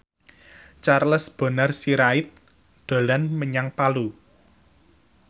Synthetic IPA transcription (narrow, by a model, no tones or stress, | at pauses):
t͡ʃarləsb̥ɔ̤nərsiɾaɪt̪̚ | d̪̥o̤lanməɲaŋpalu